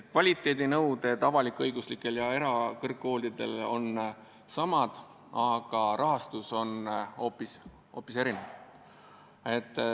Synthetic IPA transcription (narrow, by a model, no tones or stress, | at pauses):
t̪kvɑlʲit̪ːˑe̞ːd̪inɤwd̪e̞t̪ɑvɑlikːˑɤjɡuslikːˑe̞ljɑe̞ɾɑkɤrkːo̞ːlʲd̪id̪̥e̞̰lo̞̰n | sɑmɑd̪̥ | ɑɡ̥ɑɾɑɦɑst̪uso̞no̞ːpːis | ho̞ːpːˑise̞ɾinev | e̞t̪ːˑ